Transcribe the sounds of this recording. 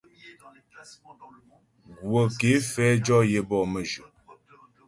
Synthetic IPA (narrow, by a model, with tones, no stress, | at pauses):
ɡwo˨ke˨˦fɛ˦d͡ʒɔ˦je˦bɔ˦˨mə˨d͡ʒu˨